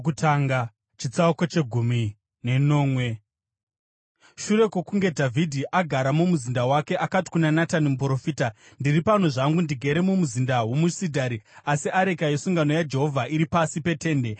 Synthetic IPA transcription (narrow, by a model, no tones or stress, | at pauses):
utʰaːŋɡa | t͡ʃit͡sauko̞t͡ʃe̞ɡʱumi | ne̞no̞ːmwe̞ | ʃuɾe̞kokuŋɡe̞dʱavʱidʱiʔaɡʱaɾamumuzindawake̞ʔakati̥kunanatanimupɾo̞fiːta | ndiripano̞ʐaŋɡundiɡʱe̞ɾe̞mumuzindawo̞musidʱaɾiasiʔaɾekajesuŋɡano̞jad͡ʒe̞ɦo̞vʱaʔiɾipasipe̞te̞ːnde̞